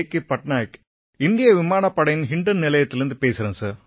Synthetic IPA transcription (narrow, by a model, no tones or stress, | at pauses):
kːɯpɐʈnaːɪk | ɪnd̪ɪjɐʋɪmaːnɐpːɐɽɐjɪnɦɪɳɖɐnnɪlɐjɐt̪ːɪlɪɾɯnd̪ɯpeːsɪɾɐnsɐːɾ